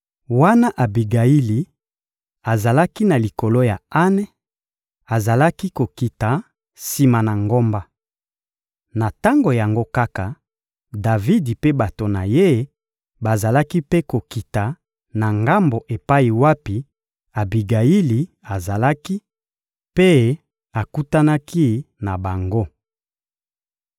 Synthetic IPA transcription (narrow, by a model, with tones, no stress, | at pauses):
wa˦na˦ʔa˨bi˨ɡa˨i˦li˨ | a˨za˨la˦ki˦na˨li˨ko˨lo˦ja˨a˦nɛ˦ | a˨za˨la˦ki˦ko˨ki˨ta˨ | si˨ma˨na˨ŋɡo˦mba˦ | na˨ta˦ŋɡo˨ja˨ŋɡo˦ka˦ka˨ | da˨vi˦di˨pe˦ba˨to˨na˨je˦ | ba˨za˨la˦ki˦pe˦ko˨ki˨ta˨ | na˨ŋɡa˦mbo˨ʔe˨pa˦i˨wa˦pi˨ | a˨bi˨ɡa˨ji˦li˨ | a˨za˨la˦ki˦ | pe˦ | a˨ku˦ta˦na˦ki˦na˨ba˨ŋɡo˦